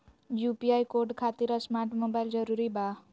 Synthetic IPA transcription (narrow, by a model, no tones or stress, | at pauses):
jupiajkoɾɖkʰat̪iɾasmaɾʈmobajld͡zəɾuɾiːba